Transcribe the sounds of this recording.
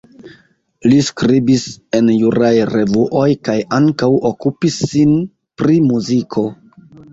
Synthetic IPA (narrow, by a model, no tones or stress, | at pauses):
liskɾibise̞njuɾajɾe̞vuʔo̞jkajaŋkawʔokupisːin | pɾimuzikʰo̞